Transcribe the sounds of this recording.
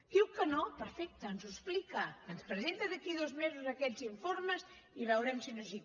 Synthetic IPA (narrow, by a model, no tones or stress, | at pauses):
kiwkənɔpəɾfɛk̚t̪ɐnzusplikɐənspɾəzent̪ɐðakiðozmezuzakɛʎziɱfoɾmes | iβawɾɛmsinozi